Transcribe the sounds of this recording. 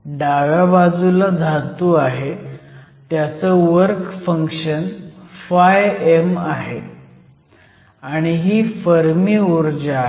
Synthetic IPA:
ɖaʋjabad͡zulad̪ʱat̪uaɦe | t̪jat͡səʋəɾkfəŋkʂənfajemaɦe | aɽ̃iɦiːfəɾmiːuɾd͡ʑa

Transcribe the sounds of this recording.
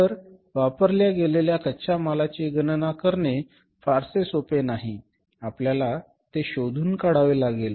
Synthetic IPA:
t̪əɾ | ʋapəɾljaɡeleljakʰətːɕamalat͡ɕiɡənnakəɾne | faɾsesopenaɦi | apljala | t̪eɕod̪ʱuːnkaɽaʋelaɡel

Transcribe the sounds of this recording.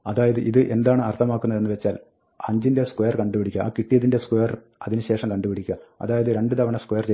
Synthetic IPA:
ɐðaːjɐðɨʔiðɨʔe̞nd̪aːɳɨɐrt̪ʰɐmaːkːunːɐðenːɨʋet͡ɕːaːl | ɐɲd͡ʑinde̞skwojɐrkɐɳɖupiɽikʲːɐaːkiʈːijɐðinde̞skwejɐr | ɐðinɨɕe̞ːʂɐmkɐɳɖupiɽikʲːuɣɐɐ̰ðaːjɐðɨɾe̞ɳɖɨd̪ɐʋɐɳɐskwejɐrt͡ɕe

